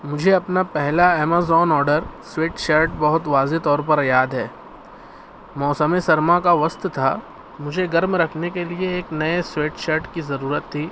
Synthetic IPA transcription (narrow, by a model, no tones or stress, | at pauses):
mʊd͡ʒʱeɐpnapɛɦlaɛːmaːzɔːnɔːɾɖəɾsweːʈʃɐɾʈbɐɦʊt̪ʋaːzet̪ɔːɾpɐɾjaːd̪ɦɛː | mɔːsəmesɐɾmãkaʋɐst̪t̪ʰa | mʊd͡ʒʱeɡɐɾmɾɐkʰnekelieːknɐesweːʈʃəɾʈkizɐɾuːɾət̪ʰːiː